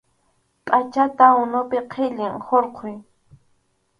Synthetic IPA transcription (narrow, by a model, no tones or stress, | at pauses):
pʼat͡ʃat̪aʊnʊpɪqʰeʎɪŋhoɾqʰʊj